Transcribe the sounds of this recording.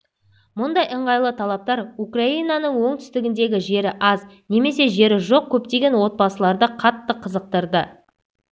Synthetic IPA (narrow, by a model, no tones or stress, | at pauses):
mʊnd̪ɑjəɴʁɑjlˠət̪ʰɑlˠɑp̚t̪ɑɾukrainɑnəɴwoŋt̪ʰʏ̥st̪ɪɡʲɪnd̪e̞ɡʲɪʒe̞ɾɪʔɑzne̞me̞se̞ʒe̞ɾɪʒo̞q̚kʲʰɵp̚t̪e̞ɡʲe̞nwo̞t̪̚bɑsəlˠɑɾd̪əqʰɑt̪ːəqʰəzəq̚t̪əɾd̪ə